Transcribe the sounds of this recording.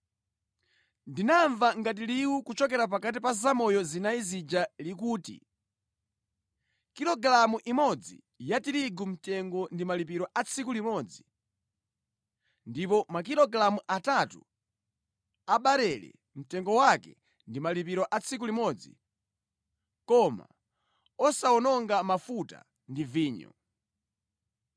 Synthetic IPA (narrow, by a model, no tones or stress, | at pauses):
ndinaɱvaŋɡat̬iliukut͡ʃɔk̬ɛɾap̬akat̬ipazamɔjɔzinaizid͡ʒalikuːtḭ | kiɾɔɡɾamuʔimɔd͡zḭ | jatiɾiɡum̩tɛŋɡɔndimalip̬iɾɔʔat͡sʰikulimɔːd͡zi | ndipɔmak̬iɾɔɡlamuʔatatu | aɓaɾɛlɛ̰ | m̩tɛŋɡɔwakɛ | ndimalipiɾɔʔat͡sʰik̬ulimɔd͡zḭ | kɔma̰ | ɔsaɔnɔŋɡamafuta̰ | ndiviːɲɔ̰